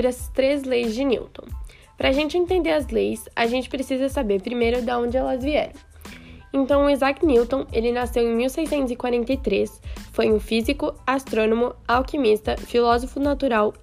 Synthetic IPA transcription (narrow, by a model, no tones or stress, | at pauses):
ɾɪɐst̪ɾezlejzd͡ʒɪnḭwt̪õ̰w̃ | pɾɐːʒẽnt͡ʃɪẽnt̪ẽnd̪eɾɐzlejsa̰ʒẽnt͡ʃɪ̥pɾesizɐsabeɾpɾimejɾʊd̪ɐõd͡ʒɪɛlɐzviɛɾɐ̃w̃ | ẽnt̪ɐ̃w̃ʊizakniwt̪õelɪnasewẽj̃miwsejsẽnt̪ʊzɪkwaɾẽnt̪ejt̪ɾesfojʊ̃fizikʊast̪ɾõnõmʊawkimist̪ɐfilɔzofʊnat̪uɾaw